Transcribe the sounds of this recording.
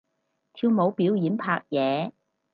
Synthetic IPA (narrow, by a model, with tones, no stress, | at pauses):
t̪ʰiː˧wmo˨˥wpiː˨˥wjiː˨˥npʰaː˧k̚jɛː˨˧˦